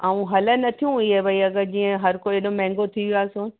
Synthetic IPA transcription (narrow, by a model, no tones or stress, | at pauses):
aːũɦɐlə̆nɐt̪ʰijũiɦebɐiɐɡəd͡ʑiːə̃ɦɐɾkoːeɗomɛ̃ːŋɡot̪ʰiʋiaːsõː